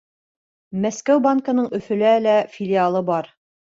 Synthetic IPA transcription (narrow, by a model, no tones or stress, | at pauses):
mæskæwbaŋkə̆nɤɴɵ̆fɵ̆lælæfʲɪlʲialˠɤbɑɾ